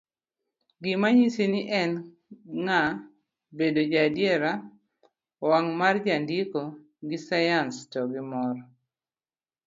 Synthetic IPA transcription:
ɡɪmaɲisinɪʔɛn | ŋa | bedod͡ʒadjɛɾa | waŋmard͡ʒandiko | ɡɪsajanstɔɡɪmɔɾ

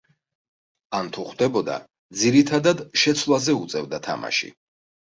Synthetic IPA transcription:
ant̪ʰuχd̪ɛbɔd̪a̰ | d̪ziɾit̪ʰad̪ad̪ʃɛt̪sʰvlˠazɛut̪sʼɛvd̪at̪ʰa̰ma̰ʃḭ

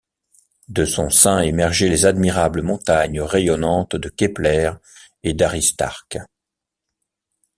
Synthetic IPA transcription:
d̪əsɔ̰̃sɛ̃emɛʁʒɛlezad̪miʁabləmɔ̃t̪aɲʁejɔnɑ̃t̪d̪əkʲeplɛʁ | ed̪aʁist̪a̰ʁk

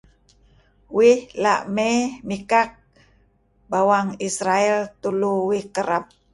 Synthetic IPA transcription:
wɪhla̰ʔmɛmikak̚ | bawaŋisɾaɛlt̪uluwihkəɾap̚

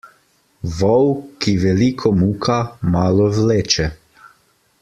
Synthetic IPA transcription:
ʋɔwkiʋɛlikʰɔmuːkʰamaːlɔvleːt͡ʃɛ

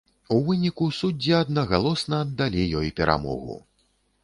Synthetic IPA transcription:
uvɨnʲikusud͡zʲːɛad̪nɐɣalˠɔsnɐːd̪ːalʲijɔjpʲɛɾʔa̰mɔ̰ɣṵ

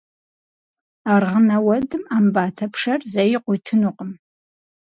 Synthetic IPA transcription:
arʁənɐwɐdɨmambaːtʰɐpʰʂɐrzɐjɪqʷʊjtʰɨnuqʼəm

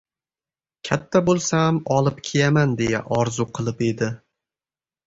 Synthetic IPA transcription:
kʲʰat̪ʰːabolˠsamɒlˠɪpkʲʰejamand̪e̞ja̰ʔɒɾzʊqʰɨlˠɪpe̞d̪ɪ

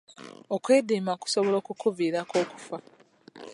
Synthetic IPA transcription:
okwe̞ːdimaku̥soβo̞lo̞ːkukʰuviːɾako̞ːku̥fa

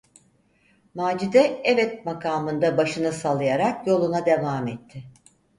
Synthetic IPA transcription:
maːd͡ʒid̪ɛɛvɛt̪̚makʰaːmɯnd̪abaʃɯnɯsalˠɯjaɾakjo̞lˠunad̪e̞vaːmɛt̪ʰːɪ

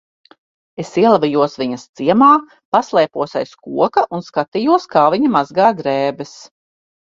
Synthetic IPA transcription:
esiɛlˠavijuɔsviɲɐst̪siɛmaː | paslˠɛːpuɔsajskuɔkɐʔunskat̪ijuɔskaːviɲɐmazɡaːɡɾɛːbɛs

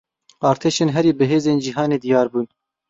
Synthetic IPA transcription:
ɑːɾt̪ʰeːʃeːnɦɛɾiːbɨɦeːzeːnd͡ʒiːɦɑːneːd̪ijɑːɾbuːn

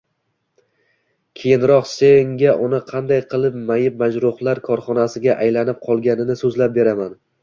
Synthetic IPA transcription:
kʲʰe̞jɪnɾɒqseŋɡʲaʔʊnɪqʰɑnd̪ajqʰɨlˠɪp̚majɪp̚mad͡ʒɾʊhlˠaɾkʰɒɾχɒnasɪɡʲaʔajlanɪp̚qʰɒlˠɡʲanɪnɪsɵzlap̚be̞ɾaman

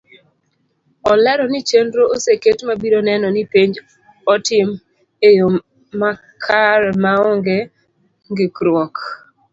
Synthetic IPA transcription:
ɔlɛɾɔnɪt͡ʃendɾoʔoseketmabiɾonɛnɔnɪpeɲd͡ʒ | ɔtɪm | ejo | ma | kʰaɾɛmaɔŋɡe | ŋɡɪkɾwɔk

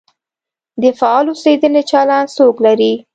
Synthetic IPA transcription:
d̪əfaɑlused̪ənet͡ʃɑlɑnsoklaɾi

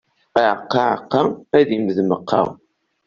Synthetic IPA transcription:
ʕəqːɑʕqːɑæðimðməqʰːɑ̰

